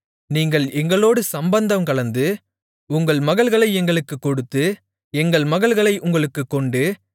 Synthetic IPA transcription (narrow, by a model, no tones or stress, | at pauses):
niːŋɡɐɭɛŋɡɐɭoːɽɯsɐmbɐnd̪ɐmkɐɭɐnd̪ɯ | ʊŋɡɐɭmɐɣɐɭɣɐɭɐɪɛŋɡɐɭɯkːɯkːɔɽɯt̪ːɯ | ɛŋɡɐɭmɐɣɐɭɣɐɭɐɪʔʊŋɡɐɭɯkːɯkːɔɳɖɯ